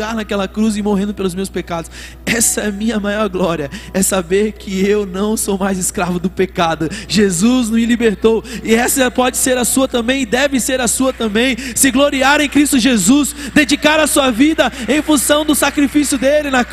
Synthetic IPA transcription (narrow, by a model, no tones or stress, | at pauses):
aɾnakɛlɐkɾuz̬ɪmoɦẽnd̪ʊpelʊzmewspekad̪ʊs | ɛsɐɛmĩɲɐmajɔɾɡlɔɾiɐɛsabeɾkʰɪewnɐ̃w̃somajzɪskɾavʊd̪ʊpekad̪ʊʒezuznɐ̃mɪlibeɾt̪owɪɛsɐpɔd͡ʒɪseɾɐsuɐt̪ɐ̃mbẽj̃ɪd̪ɛvɪseɾɐsuɐt̪ɐ̃mbẽj̃sɪɡloɾiaɾẽj̃kɾist̪ʊʒezusd̪ed͡ʒikaɾasuɐvid̪ɐẽj̃fũsɐ̃w̃d̪ʊsakɾifisjʊd̪elɪnɐ